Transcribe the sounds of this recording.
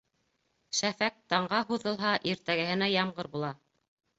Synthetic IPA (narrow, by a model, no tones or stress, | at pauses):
ʃæfæk̚t̪ɑɴɢɑɦuðɤ̆lˠɦɑʔiɾt̪æɡæ̆hɘ̆næjɑmʁɤɾbulˠɑ